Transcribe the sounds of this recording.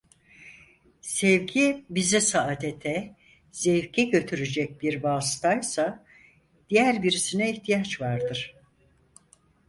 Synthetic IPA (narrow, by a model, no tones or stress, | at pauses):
sɛvɟibizisaʔːt̪ʰet̪ʰɛ | z̥ɛvɟɛɟø̞t̪ʰyɾyd͡ʒɛc̚biɾbaːst̪ʰajsa | d̪̥ijæɾbiɾisinɛiçt̪ʰijat͡ʃvaɾd̪ɯɾ̥